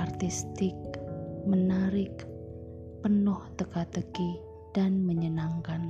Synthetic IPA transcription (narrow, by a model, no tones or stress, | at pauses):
art̪ist̪ɪk̚mənaɾɪk | pənʊht̪əkat̪əɡi | d̥anməɲənaŋkan